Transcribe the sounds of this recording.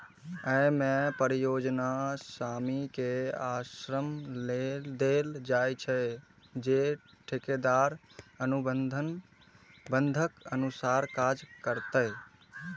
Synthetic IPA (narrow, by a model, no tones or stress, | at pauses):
əmẽpəɾijoːd͡ʒnasaːmikeasɾəmld̪eld͡ʒajt͡ʃʰɛ | d͡ʒe | ʈʰeked̪aɾənubənd̪ʱən | bə̃nd̪ʱəkənusaːɾkad͡ʒkəɾt̪ə